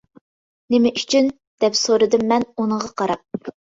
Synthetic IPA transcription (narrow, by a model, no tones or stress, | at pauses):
nɪmɪʔyt͡ʃʰyn | d̪̥ɛpsoɾɨd̪ɨmːɛnunəʁɑqʰɑɾɑp̚